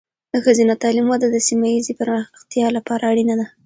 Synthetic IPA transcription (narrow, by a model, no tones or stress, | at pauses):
d̪əxəzinat̪ɑlimwad̪ad̪əsimajizipəɾməxxt̪jɑlapɑɾaːɽinad̪a